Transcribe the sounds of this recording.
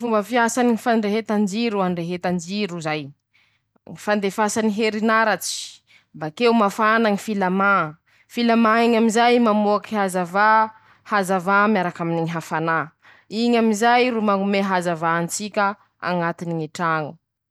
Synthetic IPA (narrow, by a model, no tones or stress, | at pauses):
fumbəfiasaniŋifaɖ͡ʐeɦet̪and͡ʒiɾuanɖ͡ʐeɦet̪and͡ʒiɾuzaj | ŋifand̪efasaniɦeɾinaɾat͡si̥ | mbakewmafanaŋifilama | filamaiɲamizajmamuakihazava | hazavamjaɾakaminiɲiɦafana | iɲamizajɾumaŋumeɦazavaːnt͡sikʲə | a̰ŋat̪iniŋiʈ͡ʂaŋu